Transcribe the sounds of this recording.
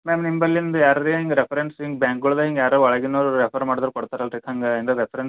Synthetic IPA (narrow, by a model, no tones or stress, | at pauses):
meːmnimbɐlːind̪ujaːɾɐd̪ieɦiŋɡɐɾepʰɐɾensɦiŋɡbaːŋk̚ɡuɭd̪ɐiŋɡjaːɾɐɐɭɐɡinːuɾepʰɐɾmaːɖid̪ɾukɔɽt̪aːɾɐlɾik̪ʰɐŋɡɐind̪ɐɾepʰɐɾens